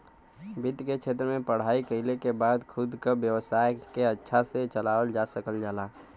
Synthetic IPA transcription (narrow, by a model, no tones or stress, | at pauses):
bid̪ket͡ʃʰet̪̬ɾəmẽpəɽ̤aikəɦɪlekebad̪kʰud̪ʱkəbjəwəsajkeətːʃʰaset͡ʃəlawəld͡ʒasəkəld͡ʒala